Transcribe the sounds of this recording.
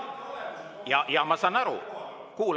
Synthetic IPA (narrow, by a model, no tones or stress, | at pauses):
jɑjɑmɑsɑnɑɾṵ | kuːl